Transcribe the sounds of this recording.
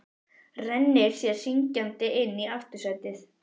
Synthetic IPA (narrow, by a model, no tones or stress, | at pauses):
rɛnːɪɾ̥sjɛɾ̥siɲcant̪ɪʔɪnːiaft̪ʏ̥saɥt̪ɪθ